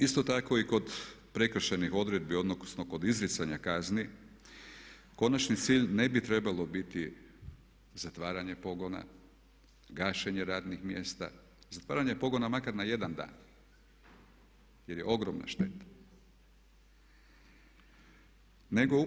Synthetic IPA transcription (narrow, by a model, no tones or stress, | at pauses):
ist̪o̞t̪ako̞iko̞d̪pɾe̞kr̩ʃenixo̞d̪ɾe̞d̪̚bio̞d̪nokusnoko̞d̪izɾit̪saɲakazni | ko̞nat͡ʃnit̪siːʎne̞bit̪ɾe̞balˠo̞bit̪i | zat̪ʋaːɾaɲe̞po̞ɡo̞na̰ | ɡaːʃeɲeɾaːd̪nixmje̞st̪a̰ | zat̪ʋa̰ːɾaɲe̞po̞ɡo̞namakaɾnaje̞d̪and̪a̰ːn | je̞ɾjeo̞ɡɾomna̰ʃt̪e̞t̪ḁ | ne̞ɡo